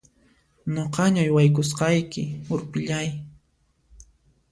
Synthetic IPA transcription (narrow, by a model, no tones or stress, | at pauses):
noqɑɲajwajk̬ʊsqɑjkɪʊɾpɪʎaj